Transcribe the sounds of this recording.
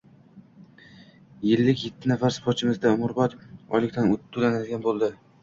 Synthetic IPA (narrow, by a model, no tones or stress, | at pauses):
jɪlːɪkʲje̞t̪ʰːɪnafaɾspʰoɾt͡ʃʰɪmɪzd̪aʊmʊɾbɒt̪ɒ̰lɪk̚ʲt̪ʰanʊt̪ʰːʊlanad̪ɪɡʲanbolˠd̪ɪ